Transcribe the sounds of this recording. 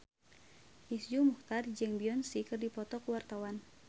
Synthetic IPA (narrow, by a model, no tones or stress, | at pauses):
ʔisd͡ʒumuht̪ard͡ʒɨŋbiɔnsikɨrdipɔt̪ɔkuwart̪awan